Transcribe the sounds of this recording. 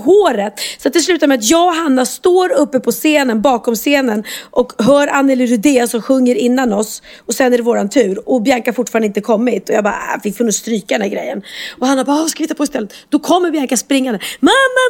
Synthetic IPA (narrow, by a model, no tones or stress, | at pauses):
ɦoːɾət̪sɔat̪̚d̪ɛs̬lʉ̟ːt̪aɾmɛat̪jɑːɡɦanːast̪oːɾɵpːəpʰɔseːnənbɑːkɔmseːnənʔɔkɦœːɾanːɛlɪɾʉd̪eːsɔmɧɵŋːəɾɪnːanɔs | ɔsɛnːæɖɛvoːɾant̪ʰʉ̟ːɾɔbjaŋkahaɾfʊʈfɑːɾand̪ɪnt̪əkʰɔmːɪt̪ɔjɑɡbɑ̰ɾfɪkːfʰɵnst̪ɾyːkad̪ɛnæɾɡɾɛ̰jːənɔhanːabaːskavɪɪt̪ːapɔɪst̪ʰɛlːət̪d̪ɔkʰɔmːəɾbjaŋkaspɾɪŋːad̪ɛmamːa